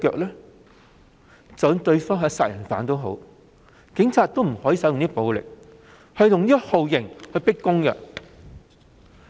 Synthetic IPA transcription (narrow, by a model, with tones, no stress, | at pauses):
kœː˧k̚lɛː˥ | t͡sɔ˨˥ŋt̪ɵ˧ɥfɔː˥ŋɦɐ˨˧˥saː˧t̚jɐ˨˩nfaː˨˥nt̪o˥wɦo̰˨˥w | kɪ˨˥ŋt͡sʰaː˨˧t̚t̪o˥wm̩˨˩hɔː˨˥jiː˧sɐ˨˥wjŋniː˥po˨˧wlɪ̰˨k̚ | hɐ˨˧jlʊ˨ŋniː˥ho˨˧wjɪ˨˩ŋhɵ˧ɥpɪ˥kːʊ˥ŋkə̰˧˨